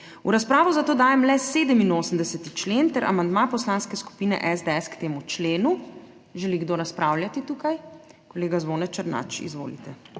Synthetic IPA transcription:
uɾaspɾaːʋɔzat̪oːd̪aːjɛmlɛseːd̪əminoːsəmd̪ɛsɛt̪it͡ʃleːnt̪ɛɾʔa̰mand̪mapɔslaːnskɛsku̥piːnɛ̰ʔɛzd̪ɛɛskt̪eːmut͡ʃleːnu | ʒɛliɡd̪oːɾaspɾaːwljat̪it̪uːkajkɔleːɡazʋoːnɛt͡ʃəɾna̰t͡ʃḭzʋo̰ːlḭt̪ɛ

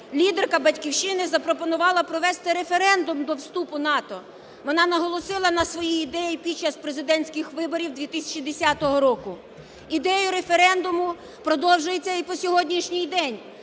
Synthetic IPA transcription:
lʲid̪erkɐbɐtʲkʲiwʃɪnɪzɐpɾɔpɔnʊʋɑlˠɐpɾɔʋɛst̪ɪɾefeɾɛnd̪ʊmd̪ɔwst̪upʊnɑt̪ɔ | ʋɔnɑnɐɦɔlˠɔsɪlˠɐnɐsʋɔjiːd̪ɛjipʲid̚t͡ʃɐspɾezɪd̪ɛnʲsʲkɪxʋɪbɔɾʲiwd̪ʲʋʲit̪ɪsʲɐ̥t͡ʃid̪esʲat̪ɔɦɔɾɔkʊ | id̪ɛjʊɾefeɾɛnd̪ʊmʊ | pɾɔd̪ɔwʒʊjet͡sʲːɐipɔsʲɔɦɔdʲnʲiʃnʲɪjd̪ɛnʲ

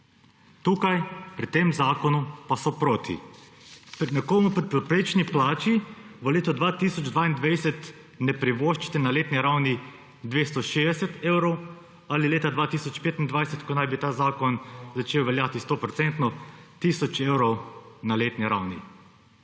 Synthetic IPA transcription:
t̪uːkajpɾit̪eːmzaːkɔnupasɔpɾoːt̪ʰḭ | pɾnɛkoːmupɾipɾɛpɾeːt͡ʃniplaːt͡ʃiʋəleːt̪ɔd̪ʋaːt̪isɔd͡ʒd̪ʋaːind̪ʋajsɛt̪ | nɛpɾiʋoːʃt͡ʃi̥t̪ɛnaleːt̪niɾawni | d̪ʋeːst̪ɔʃeːd̪ɛsɛt̪eːwɾɔw | alileːt̪ad̪ʋaːt̪iːsɔt͡ʃpeːt̪ind̪ʋajsɛt̪kɔnajbit̪aːzaːkɔnzat͡ʃeːwʋɛljaːt̪ist̪oːpɾɔtsɛnt̪nɔt̪iːsɔt͡ʃeːwɾɔwnaleːt̪niɾawnḭ

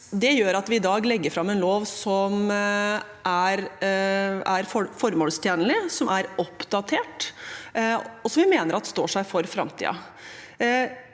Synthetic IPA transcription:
d̪ɛjøːɾɑt̪ʋɪɪd̪ɑːɡlɛɡːəɾfɾɑmːɛnloːʋsɔm | ʔæɾ | æɾfɔfɔɾmoːlst̪ʰjeːnəlɪsɔmʔæɾɔpd̪ɑt̪ʰeːʈ | ɔsɔmʋɪmeːnəɾɑt̪ːst̪o̰ːʂæɪfɔɾfɾɑ̰mt̪ʰḭːɑ̰

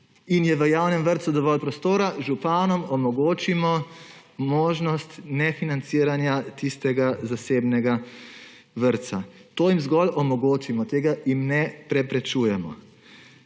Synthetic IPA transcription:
injɛʋəjaːwnɛmʋəɾt̪sud̪ɔʋɔlpɾɔst̪oːɾaʒupanɔmɔmɔɡoːt͡ʃimɔ | moːʒnɔst̪nɛfinant̪siɾanjat̪ist̪ɛɡazaseːbnɛɡa | ʋəɾt̪sat̪oːjimzɡɔlɔmɔɡoːt͡ʃimɔt̪eːɡaimnɛpɾɛpɾɛt͡ʃuːjɛmɔ̰

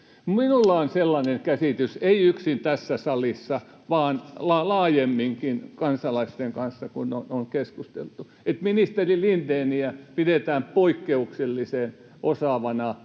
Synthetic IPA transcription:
minulːɑonselːɑneŋkæsit̪yseiyksint̪æsːæsɑlisːɑ | ʋɑːnlɑlɑːjemːiŋkinkɑnsɑlɑist̪eŋkɑnsːɑkunonoŋkeskust̪ḛlt̪u | et̪minist̪erilint̪eːniæpidet̪æːmpoikːeukselːiseːˑn | ʔosɑˑʋɑnɑ

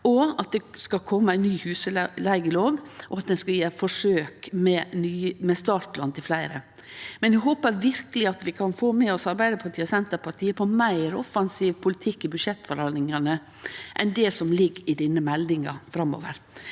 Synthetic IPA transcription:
ɔɑt̪̚d̪ɛskɑkʰɔmːəæɪnnyːhʉːsəlæɪɡəloːʋʔɔɑt̪̚d̪ɛnskɑjeːfɔʂøːkmɛnyːmɛst̪ɑːʈlɑnt̪ʰɪlflæɪɾə | mɛnjæɦoːpəɾʋɪɾkəlɪɑt̪ʋɪkʰɑnfoːmɛɔsɑɾbæɪd̪əpʰɑʈʰiːəsɛnt̪əɾpʰɑʈʰiːəpʰɔmæɪɾɔfɑnsiːʋpʰʊlɪt̪ʰɪkːɪbʉd̪ʂɛt̪ːfɔɾhɑlɪŋɑnə | ʔɛnd̪ɛsɔmlɪɡɪd̪ɪnːəmɛld̪ɪŋɑ̰fɾɑmːɔ̰ʋəɾ

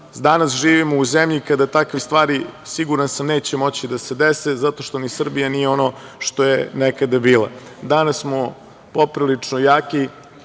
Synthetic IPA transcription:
d̪anasʒiːʋimouzemʎikad̪at̪akʋist̪ʋaːɾisiɡuɾansamneːt͡ɕemo̞t͡ɕid̪ase̞d̪esezat̪o̞ʃt̪o̞nisr̩bijanijeo̞no̞ʃt̪o̞jenekad̪abiːlˠa̰d̪anasːmo | po̞pɾilit͡ʂnojaːki

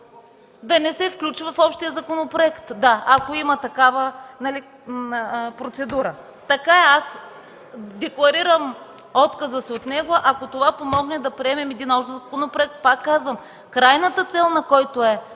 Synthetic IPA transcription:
d̪ɐnɛsɛfklʲut͡ʃvɐfɔpʃt̪ijəzɐkonopɾoɛkt̪d̪aɐkoimɐt̪ɐkavənɐli | pɾot̪sɛd̪uɾə | t̪ɐkaɛas | d̪ɛklˠɐɾiɾəm | ɔt̪kɐzəsiot̪nɛɡʊʔɐkot̪ovapomɔɡnɛd̪ɐpɾiɛmɛmɛd̪inɔpʃzkonopɾoɛk̚t̪̚pakːazvəm | kɾajnət̪ət̪sɛlˠnɐkɔjt̪oɛ

